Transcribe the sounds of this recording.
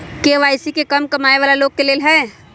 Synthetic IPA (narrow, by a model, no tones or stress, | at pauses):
keʋaːɪsikekɐmkɐmaːeʋaːlaloːɡ̚keleːlɦɛː